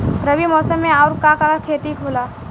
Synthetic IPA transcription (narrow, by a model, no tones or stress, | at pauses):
ɾəbimɔːsəmːẽaʊɾkakakakʰeːt̪ikʰoːla